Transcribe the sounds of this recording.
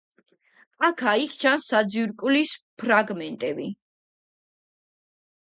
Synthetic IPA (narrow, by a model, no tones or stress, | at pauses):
akʰaikʰt͡ʃʰansːad̪ziɾkʼulispʰɾaɡmɛnt̪ʼɛbi